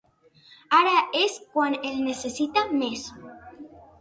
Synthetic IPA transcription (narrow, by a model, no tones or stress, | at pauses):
aɾaʔeskwanelnesesit̪ames